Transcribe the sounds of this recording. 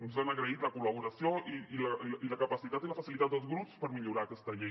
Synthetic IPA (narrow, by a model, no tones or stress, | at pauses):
unszanəɣɾəit̪ləkuləβuɾəsioʔiiləiləkəpəsit̪at̪iləfəsilit̪at̪̚d̪əlˠzɣɾupspəɾmiʎuɾaːkɛst̪əʎe